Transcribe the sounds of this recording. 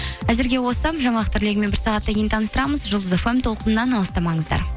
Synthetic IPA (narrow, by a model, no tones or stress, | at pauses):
æzɪɾɡʲe̞wo̞sɑpʒɑɴɑlˠəq̚t̪ʰɪɾle̞ɡʲɪme̞bɪɾsɑʁɑt̪ːɑɡʲejnt̪ʰɑnəst̪əɾɑməzʒʊlˠd̪əzefemt̪ʰo̞lˠqənənɑnɑlˠəst̪ɑmɑɴəzd̪ɑ̰ɾ